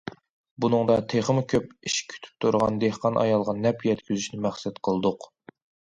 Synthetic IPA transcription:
bunɨŋd̪ɑt̪ʰeχəmʊkʲʰøpiʃkʲʰy̥t̪ʰy̥p̚t̪ʰuɾʁɑ̰nd̪ehqɑnʔɑ̰jɑlˠʁɑnɛpjɛt̪kʲyzyʃnɪmæχsɛt̪qʰəlˠɨd̪ʊq

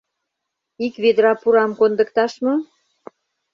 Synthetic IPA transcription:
ikβed̪ɾɑpuɾɑmkond̪ə̆kt̪ɑʃmŏ

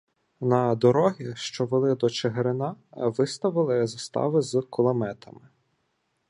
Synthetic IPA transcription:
nɐd̪ɔɾɔɦʲiʃt͡ʃɔʋelˠɪd̪ɔt͡ʃeɦeɾɪnɑʋɪst̪ɐʋɪlˠɪzɐst̪ɑ̰ʋɪzkɔlˠɐmɛt̪ʰɐmɪ

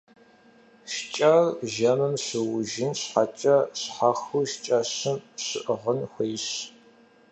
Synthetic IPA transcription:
ʃt͡ʃʼɐrʒɐmɨmɕɨwʊʒɪnɕħat͡ʃʼɐɕħaxuʃt͡ʃʼɐɕɨmɕɨʔʁənxʷeːɕ

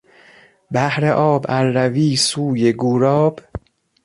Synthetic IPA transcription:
bæhɾeʔɒːbæɾːæviːsuːjeɡuːɾɒːb̥

